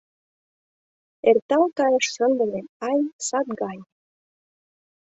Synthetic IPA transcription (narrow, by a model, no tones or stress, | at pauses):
ert̪ɑlt̪ɑɾɤ̆ʃsə̆nd̪ɤ̆leɑjsɑt̪̚ɡɑj